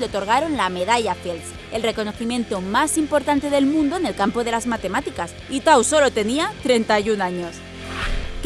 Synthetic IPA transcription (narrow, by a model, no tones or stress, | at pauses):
leo̞t̪o̞ɾɣ̞aɾo̞nlame̞ð̞aʎafels | e̞lre̞ko̞no̞θimje̞nt̪o̞masimpo̞ɾt̪ant̪e̞ðe̞lmũnd̪o̞ene̞lkampo̞ðe̞lazmat̪e̞mat̪ikas | it̪awso̞lo̞t̪e̞niat̪ɾe̞nt̪ajunaɲo̞s | k